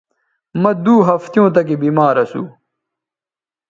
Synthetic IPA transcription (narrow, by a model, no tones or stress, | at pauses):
mɐd̪uːɦɐft̪jõːt̪ɐk̬ebiːmaːɾɐsṵ